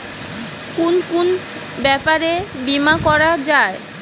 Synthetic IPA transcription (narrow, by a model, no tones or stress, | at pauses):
kunkun | bɛpaɾebimakɔɾad͡ʑae